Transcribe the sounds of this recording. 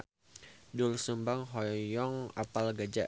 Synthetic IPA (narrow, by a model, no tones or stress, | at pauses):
dʊlsəmbaŋɦɔjɔŋapalɡad͡ʒa